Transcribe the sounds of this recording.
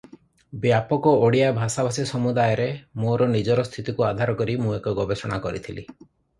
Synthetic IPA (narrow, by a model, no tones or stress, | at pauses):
bjapɔkɔoɽijabʱasabʱasisɔmud̪ajɔɾemoɾɔnid͡ʒɔɾɔst̪ʰit̪ikuad̪ʱaɾɔkɔɾimũekɔɡɔbesɔɽ̃a̰kɔɾit̪ʰilḭ